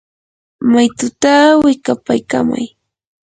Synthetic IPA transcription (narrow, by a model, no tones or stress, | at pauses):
majt̪ʊt̪awɪkapajkama̰j